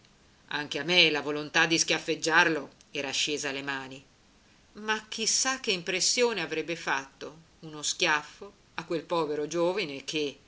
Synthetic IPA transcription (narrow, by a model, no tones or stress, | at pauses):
aŋk̟eamːelavolont̪ad̪ːiskjafːed͡ʒːarloɛːɾaʃːeːzalemaːni | mak̟ːisːakːeimpɾesːjoːneavɾɛbːefat̪ːo | unoskjafːo | akːwelpɔːveɾod͡ʒoːvinekʰe